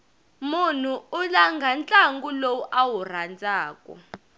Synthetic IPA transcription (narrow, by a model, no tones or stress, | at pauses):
mun̤uːlaŋɡʱant͡ɬʼaŋɡulowuʔawur̤and͡zaːkʼɔ̰